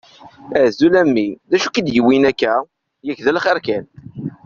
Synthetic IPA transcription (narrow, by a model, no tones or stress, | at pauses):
æzulæmːiðæʃukid̪jəwinækːæ | jækðælχəɾkæn